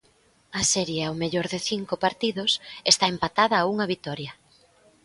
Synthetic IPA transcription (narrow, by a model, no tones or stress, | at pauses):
ɐsɛɾjawmeʎoɾðɪθiŋkopaɾt̪iðosest̪aempat̪aðɐːuŋɐβit̪ɔɾjɐ